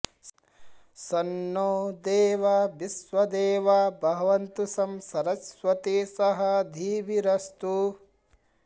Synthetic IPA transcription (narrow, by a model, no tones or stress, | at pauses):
sɐnːoːd̪eːʋɐbisʋɐd̪eːʋɐbʱɐɦɐʋɐnt̪usɐmsɐɾɐsʋɐt̪isɐɦɐd̪ʱiːbiɾɐst̪u